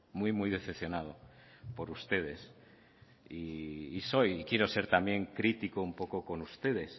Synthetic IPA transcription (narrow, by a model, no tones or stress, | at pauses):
mujmujðe̞θepθjonað̞o̞ | po̞ɾust̪e̞ð̞e̞s | iːso̞jikje̞ɾose̞ɾt̪amje̞ŋkɾit̪ikoumpo̞ko̞ko̞nust̪e̞ð̞e̞s